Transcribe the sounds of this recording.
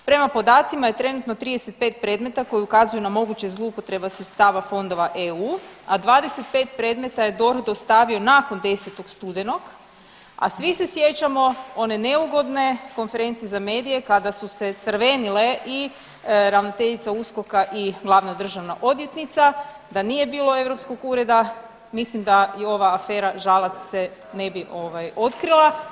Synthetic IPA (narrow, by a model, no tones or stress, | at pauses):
pɾe̞mapo̞d̪aːt̪simaje̞t̪ɾe̞nut̪not̪ɾiːd̪eset̪̚pe̞ːt̪̚pɾe̞ːd̪me̞t̪ako̞jiukazujunamo̞ɡut͡ɕezloupo̞t̪ɾe̞basɾet̪st̪aːʋafo̞nd̪o̞ʋaʔeuːad̪ʋaːd̪e̞se̞t̪̚pe̞ːt̪pɾe̞ːd̪me̞t̪aje̞d̪o̞ɾd̪ost̪aːʋio̞naːko̞nd̪e̞set̪o̞ɡst̪ud̪eno̞ɡ | a̰sʋise̞sje̞t͡ɕamo̞o̞ne̞ne̞uɡo̞d̪ne̞konfe̞ɾe̞nt̪sijezame̞ːd̪ije̞kad̪asuse̞t̪sərʋe̞nile̞ʔi | ɾaʋno̞t̪eʎit̪sausko̞kaʔiɡlˠaʋnad̪r̩ʒaʋnaʔo̞d̪jet̪nit̪sa | d̪anije̞biːlo̞e̞ʋɾo̞psko̞ɡuɾe̞d̪a | mislimd̪ajeo̞ʋaːfe̞ːɾaʒalˠat̪ssene̞biʔo̞ʋajo̞t̪kɾilˠa